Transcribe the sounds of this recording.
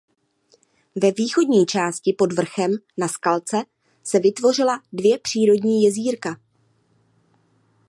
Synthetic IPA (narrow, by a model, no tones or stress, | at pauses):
vɛviːxo̞dɲiːt͡ʃaːscɪpo̞dvr̩xɛm | naskalt͡sɛ | sɛvɪt̪vo̞rɪladvjɛpr̝̥iːɾo̞dɲiːjɛziːɾka